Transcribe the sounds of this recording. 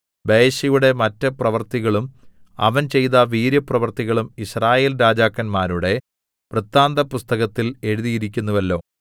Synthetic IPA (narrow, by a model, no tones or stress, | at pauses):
beːɕɐjuɽe̞mɐtːɐprɐʋɐrt̪iɣɐɭum | ɐ̰ʋɐnt͡ɕe̞jt̪ɐʋiːɾjɐprɐʋɐrt̪iɣɐɭumiɕraːje̞ːlɾaːd͡ʑaːkːɐnmaːɾuɽe̞ | prɨt̪ːaːnd̪ɐpust̪ɐɣɐt̪ːile̞ɻuðijiɾik̬ʲːunːɐʋɐlːo̞ː